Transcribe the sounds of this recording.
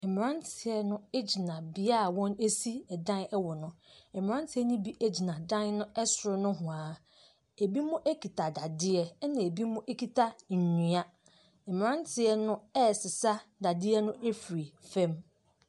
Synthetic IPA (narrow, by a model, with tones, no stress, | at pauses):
ɛ˨m˨ɾã˦ntʰɪ˨ɛ˨nʊ̃˦e˦d͡ʑi˨nã˨bɪ˨a˦˨wɔ̃˦ne˦si˦ɛ˨dã˦nɛ˦wɔ˨nʊ̃˦ɛ˨m˨ɾã˦n˦tʰɪ˦ɛ˦nĩ˦bi˦ʔe˦d͡ʑi˨nã˨dã˦nnʊ̃˦ɛ˦sʊ˨ɾʊ˨˦nʊ̃˦ɦʊ̃˨aː˨ | e˨bi˦mʊ̃˦ʔe˦kʰi˨tʰa˨da˨dɪ˦ɛ˦nã˨e˨bi˦mʊ̃˦ʔe˦kʰi˨tʰa˦ɲ̩˨ɲĩ˨a˦ | m̩˨m˨ɾã˦n˦tʰɪ˨ɛ˦nʊ̃˦ɛ˦˨sɪ˨sa˦da˨dɪ˦ɛ˦nʊ̃˦ʔe˦fi˨ɾi˨fɛ̃˦m